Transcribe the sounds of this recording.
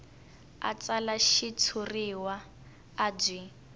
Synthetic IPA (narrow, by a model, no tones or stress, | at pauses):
a̰t͡salaʃit͡sʰuriwaː | b͡ʐʷi